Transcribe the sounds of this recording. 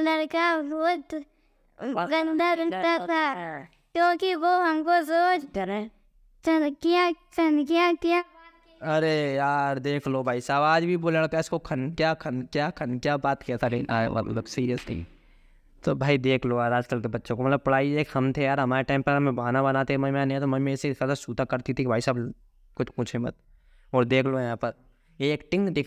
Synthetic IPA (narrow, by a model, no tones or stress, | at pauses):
lɐɾkaɾoːt̪ | ɡɐ̃nd̪aɾɐt̪at̪ʰaː | kjõːkiʋoːɦɐmkosoːd͡ʒ | t͡ʃəkijat͡ʃənkijakjaː | ɐɾejaːɾd̪eːkʰlobʱaːisaːbaːd͡ʒbʱiboːleak̪aɪskokʰɐnkjaːkʰɐnkjaːkʰɐnkjaːbaːt̪kijat̪ʰaɾea̰lo̰ːksiːɾijəstḭː | t̪obʱaːid̪eːkʰloaːɾaːd͡ʒtɐlt̪ebɐtːʃõkomɐt̪ləb̚pɐɽaːieːkhɐmt̪ʰejaːɾɦɐmaːɾeʈaːɪ̃mpɐɾɐmẽbaːnabɐnaːt̪emɐmãːnẽɛt̪omɐmẽsesad̪asuːt̪akɐɾt̪it̪ʰibʱaːisaːb | kʊt͡ʃkʊt͡ʃʰemɐ̰t̪̚ | ɔːɾd̪eːkʰlojɦãːpɐɾ | eːkʈɪ̃ŋkd̪ɪkʰ